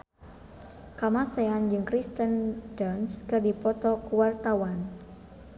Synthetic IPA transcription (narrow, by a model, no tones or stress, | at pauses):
kamaseand͡ʒɨŋkɾist̪əndɔnskɨrdipɔt̪ɔkuwart̪awan